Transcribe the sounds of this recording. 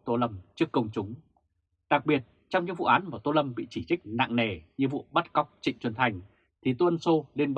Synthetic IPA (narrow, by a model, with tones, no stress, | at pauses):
t̪o˧lə˧mt͡ɕɨ˦˥əkːə˧wŋ͡mt͡ɕʊ˨˦ŋ͡m | ɗa˨˩k̚ɓi˨˩ət̚ | t͡ɕɔ˧wŋ͡mɲɨ˧˥ŋvṵ˧˨ʔaː˨˦nmaː˨˩t̪o˧lə˧mɓḭ˧˨t͡ɕi˧˩t͡ɕi˦˥k̟̚na̰ː˧˨ŋne˧˩ɲɨ˧vṵ˧˨ɓa˦˥t̚ka˦˥wk͡p̚t͡ɕḭ̈˧˨ŋ̟t͡ɕwə˨˩nt̪ʰa˨˩jŋ̟ | t̪ʰi˨˩t̪o˧ʔə˧nso˧le˧nɓ